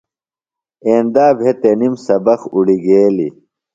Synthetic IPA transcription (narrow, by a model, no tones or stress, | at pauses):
eːnd̪aːbʱet̪enimsɐbɐxuɽiɡeːli